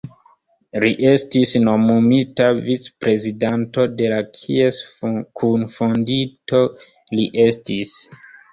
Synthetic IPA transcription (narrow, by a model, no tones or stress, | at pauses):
liʔe̞stisno̞mumitavit͡spɾe̞zidanto̞de̞lakʰie̞skʰunfondito̞ | liʔe̞stis